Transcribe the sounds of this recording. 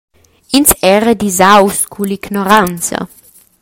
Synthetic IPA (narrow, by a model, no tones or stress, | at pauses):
insɛɾəd̪izawskʰuliɡnɔɾant͡sa̰